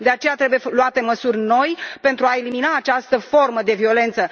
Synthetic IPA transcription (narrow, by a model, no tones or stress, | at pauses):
d̪e̞at͡ʃe̞jat̪ɾe̞bujeluat̪e̞məsurʲno̞jpe̞nt̪ɾuae̞liminaːt͡ʃast̪əfo̞rməd̪e̞vio̞le̞nt̪sə